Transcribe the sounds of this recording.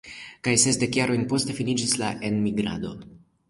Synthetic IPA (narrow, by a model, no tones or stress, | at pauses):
kajsesde̞kjaɾo̞jnpo̞ste̞finid͡ʒislaʔe̞nmiɡɾa̰do̞